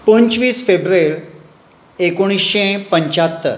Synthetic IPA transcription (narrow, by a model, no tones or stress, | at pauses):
pəɲt͡ɕʋiːsfebɾeɾ | ekoɽ̃isɕẽpəɲt͡ɕat̪ːə̰ɾ